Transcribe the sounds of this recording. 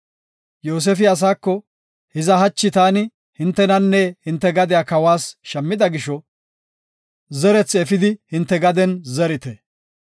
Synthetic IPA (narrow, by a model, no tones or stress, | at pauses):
joːs̬ɛfɪɐs̬aːkːɔ | hɪzɐɦɐt͡ʃːɪt̪aːnɪ | hɪnt̪ːɛnɐnːɛhɪnt̪ːɛɡɐd̪ɪjaːkɐwaːsʃɐmːɪd̪ɐɡɪʃɔ | zɛɾɛt͡sːɛfɪd̪ɪhɪnt̪ːɛɡɐd̪ɛnzɛɾɪt̪ɛ